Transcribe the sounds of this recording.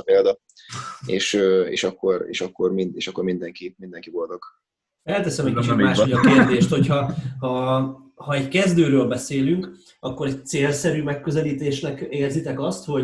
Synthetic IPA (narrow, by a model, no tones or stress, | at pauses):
peːld̪ɒ | eːʃøːḛːʃɒkːorḛːʃɒkːo̞rmind̪eːʃɒkːorɾmind̪ɛŋkimind̪ɛŋkivo̞lt̪ok | ɛlt̪ɛsɛmɛc̚kit͡ʃit̪maːʃojɒkeːrd̪eːʃt̪ho̞chɒhɒ | hɒɛckɛzd̪øːɾøːlbɛseːlyŋk | ɒkːo̞ɾɛct̪seːlsɛɾyːmɛkːø̞zɛliːt̪eːʃnɛkeːrzit̪ɛkɒst̪ho̞